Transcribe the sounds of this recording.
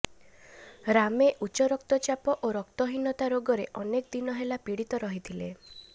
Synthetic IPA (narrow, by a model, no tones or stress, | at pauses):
ɾameʔut͡ʃɔɾɔkt̪ɔt͡ʃapɔʔoɾɔkt̪ɔɦinɔt̪aɾoɡɔɾeʔɔnekd̪inɔɦelapiɽit̪ɔɾɔɦit̪ʰile